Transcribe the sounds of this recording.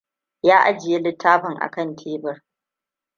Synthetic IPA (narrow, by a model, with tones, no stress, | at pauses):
jaː˦ʔa˦d͡ʒɪ˨je˦lɪ˦tʰːaː˦ɸɐ˨ŋʔa̰˨kɐ˦˨ntʰeː˦bɐ˨r